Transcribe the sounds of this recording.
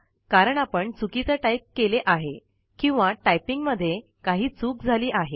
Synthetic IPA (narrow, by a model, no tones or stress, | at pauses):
kaɾəɳapəɳt͡sukit͡səʈajp̚keleʔaɦe | kĩw̃ʋaʈajpiŋɡməd̪ʱːje | kaɦiːt͡suːk̚d͡zʱaliːʔaɦe